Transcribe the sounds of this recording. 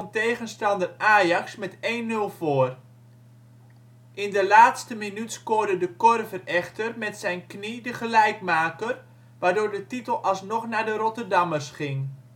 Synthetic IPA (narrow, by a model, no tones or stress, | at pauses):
ntejɣənstɑndəraːjɑksmɛtejnːɵlˠv̥oːr | ʔɪndəlaːtstəminytskodədəkɔrvərɛχtərmɛtsɛjnknidəχəlɛjkmaːkər | ʋaːrdʊːrdətitəlˠɑlˠsnɔχnadəɾotərdɑmərsχɪŋ